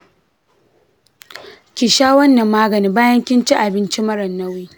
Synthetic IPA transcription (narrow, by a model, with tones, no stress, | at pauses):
kʲɪ˨ʃaː˦wɐ˦nːɐ˨mːaː˦ɡɐ˨niː˦baː˦jɐ˦ŋkʲɪ˦nt͡ʃi˦ʔa˨bɪ˦nt͡ʃi˦mɐ˦ɾɐ˨nːɐ˦wiː˦